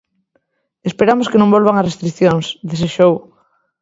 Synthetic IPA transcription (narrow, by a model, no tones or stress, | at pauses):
espeɾamoskenõŋbolβaŋɐrest̪ɾiθjoŋsðeseʃow